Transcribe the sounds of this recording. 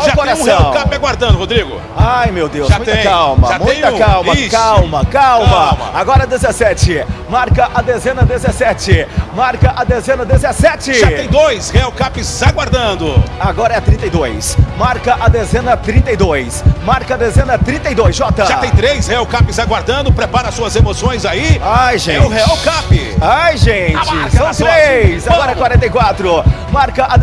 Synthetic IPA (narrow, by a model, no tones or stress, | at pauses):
aʒakoɾãsũhɛ̃w̃kapɪɛɡwaɾd̪ɐ̃d̪ʊhod̪ɾiɡʊ̰ | ajmewd̪ewsʒmaũj̪t̪ɐ̃kawmɐʒatmũj̃t̪ɐũkawmɐikawmɐkawmɐwmɐaɡɔɾɐd̪ezesɛt͡ʃɪmaɾkɐʔad̪ezẽnɐd̪ezesɛt͡ʃɪmaɾkɐʔad̪ezẽnɐd̪ezesɛt͡ʃɪʒat̪ẽj̃d̪ojshɛɛwkapɪzʒaɡwaɾd̪ɐ̃d̪ʊaɡɔɾɐɛat̪ɾĩnt̪ɐejd̪ojsmaɾkɐʔad̪ɛzẽnɐt̪ɾĩnt̪ejd̪ojsmaɾkɐɐd̪ezẽnɐt̪ɾĩnt̪ejd̪ojsʒɔt̪ɐʒat̪ẽj̃t̪ɾesheawkapɪzaɡwaɾd̪ɐ̃nd̪ʊpɾepaɾɐsuɐzemosõj̃zaiajʒẽɛʊheawkapɪ | ajʒẽt͡ʃɪsɐ̃w̃t̪ɾesaɡɔɾɛkwaɾẽnt̪ejkwat̪ɾʊ | maɾkɐʔa